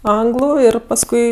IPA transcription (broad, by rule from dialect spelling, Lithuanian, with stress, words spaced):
ˈɐŋɡlˠʊ ˈɪr pɐsˈkʊɪ